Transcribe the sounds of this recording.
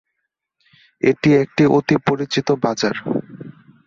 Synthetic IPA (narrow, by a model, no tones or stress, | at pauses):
eʈiek̚ʈiʔot̪ipoɾit͡ɕit̪obad͡ʑaɾ